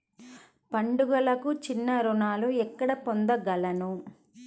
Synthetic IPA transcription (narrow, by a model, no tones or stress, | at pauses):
pɐɳɖuɡɐlɐkut͡ʃinːɐɾunaːluɛkːɐɽɐpond̪ɐɡɐlɐnu